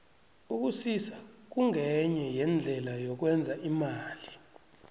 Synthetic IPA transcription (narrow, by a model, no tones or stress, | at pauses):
uk̬usisak̬uŋɛɲɛjɛnd͡ɮʱɛlajɔk̬wɛnd͡zʱaʔimaːli